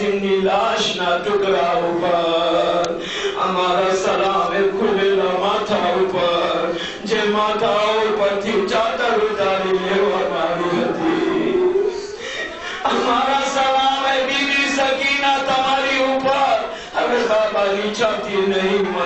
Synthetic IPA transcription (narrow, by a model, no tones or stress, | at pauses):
ɪmnilaːʃnat̪ʊkɾaʊpəɾ | ɐ̰maːɾasɐlaːmẽkʰʊleːlamaːt̪ʰaʊpəɾ | d͡ʒẽmaːt̪ʰaʊpəɾt̪ʰit͡ʃaːkəɾʊt̪aːlileːʋanaːɦiɦɐt̪i | ɐmaːɾasɐlaːmebiːbisɐkinat̪ɐmaːɾiʊpəɾ | ɐɡebaːbanit͡ʃʰaːt̪inɐɦĩm